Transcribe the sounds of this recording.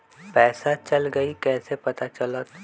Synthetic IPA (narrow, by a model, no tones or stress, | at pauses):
pɛːsat͡ʃɐlɡɐikɛːsepɐt̪at͡ʃɐlot̪